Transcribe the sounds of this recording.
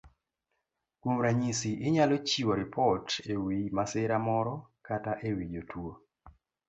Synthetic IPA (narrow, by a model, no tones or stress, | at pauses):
kwomɾaɲisiʔɪɲalot͡ʃiwoɾɪpɔtewimasɪɾamɔɾɔkataʔewijotwo